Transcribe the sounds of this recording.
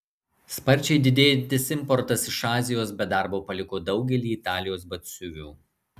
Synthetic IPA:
spɐɾʲt͡ʃʲɛɪd̪ʲɪd̪ʲeːjɛnt̪ʲɪsʲɪmpɔɾt̪ɐsɪʃɑːzʲɪjoːsbʲɛd̪ɑˑɾboːpɐlʲɪkoːd̪ɒʊɡʲɛlʲiːɪt̪ɑːlʲɪjoːsbɐt̪ʲsʲʊʋʲuː

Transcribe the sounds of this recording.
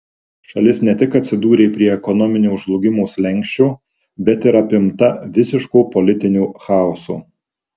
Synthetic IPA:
ʃɐlʲɪsnʲɛt̪ʲɪkɐt̪ʲsʲɪd̪uːɾʲeːpʲɾʲiɛɛkɔnɔmʲɪnʲuːʊʒlˠʊɡʲɪmuːsʲlʲɛŋʲˑkʃʲt͡ʃʲuː | bʲɛt̪ɪɾɐpʲɪmt̪ɐʋʲɪsʲɪʃkuːpɔlʲɪt̪ʲɪnʲuːxɑˑɔsṵː

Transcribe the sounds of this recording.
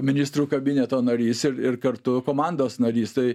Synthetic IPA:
mʲɪnʲɪst̪ɾuːkɐbʲɪnʲɛt̪oːnɐɾʲiːsɪɾɪrkɐɾt̪ʊkoːmɑnd̪oːsnɐɾʲiːst̪ɐɪ

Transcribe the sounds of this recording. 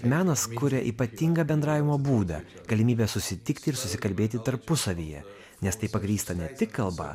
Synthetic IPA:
mʲæːnɐskʊɾʲɛʔiːpɐt̪ʲɪŋɡɐːbʲɛnd̪ɾɑːʋʲɪmoːbuːd̪ɐ̰ | ɡ̥ɐlʲɪmʲiːbʲɛːsʊsʲɪt̪ʲɪkt̪ʲɪɪɾsʊsʲɪkɐlʲbʲeːt̪ʲɪt̪ɐɾpʊsɐʋʲiːjɛ̰ | nʲɛst̪ɐɪpɐɡɾʲiːst̪ɐnʲɛt̪ʲɪkkɐlˠbɐ̰

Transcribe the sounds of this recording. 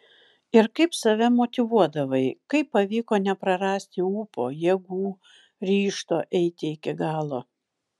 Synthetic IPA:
ɪɾkɐɪpsɐʋʲɛmoːt̪ʲɪʋuɔd̪ɐʋɐɪkɐɪpːɐʋʲiːkoːnʲɛpɾɐɾɑːsʲt̪ʲɪuːpoːjɛɡuː | ɾʲiːʃt̪oːʔɛɪt̪ʲɪɪkʲɪɡɑːlˠoː

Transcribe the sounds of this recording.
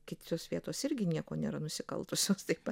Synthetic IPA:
kʲɪt̪ʲoːsʋʲiɛt̪oːsɪɾʲɡʲɪnʲiɛkoːnʲḛːɾɐnʊsʲɪkɐ̰lˠt̪ʊsʲoːst̪ɐɪpɐ

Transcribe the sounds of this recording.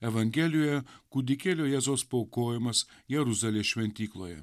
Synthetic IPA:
ɛʋɐŋʲɡʲɛlʲɪjojɛkud̪ʲɪkʲeːlʲoːjɛzoːspoʊkoːjɪmɐsjɛɾʊzɐlʲeːʃʲʋʲɛnʲt̪ʲiːklˠoːjɛ̰

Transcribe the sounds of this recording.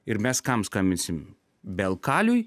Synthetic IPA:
ɪɾmʲɛskɐmskɐmʲɪnʲsʲɪm | bʲɛlˠkɑːlʲʊj

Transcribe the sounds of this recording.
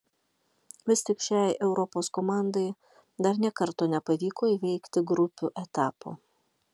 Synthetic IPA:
ʋʲɪsʲt̪ʲɪkʃʲæˑɪʔɛʊɾɔpoːskomɑˑnd̪ɐɪ | d̪ɐɾnʲiɛkɐɾt̪oːnʲɛpɐʋʲiːkoːiʋʲɛɪkt̪ʲɪɡɾʊpʲuːʔɛt̪ɑːpo̰ː

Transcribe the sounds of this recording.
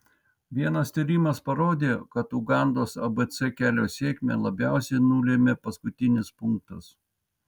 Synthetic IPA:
ʋʲiɛnɐst̪ʲiɾʲimɐspɐɾoːd̪ʲeːkɐt̪ʊɡɑˑnd̪oːsɐbɛt̪sɛkʲæːlʲoːsʲeːkʲmʲḛːlˠɐbʲæˑʊsʲɛɪnʊlʲeːmʲeːpɐskʊt̪ʲɪnʲɪspʊŋk̚t̪ɐs

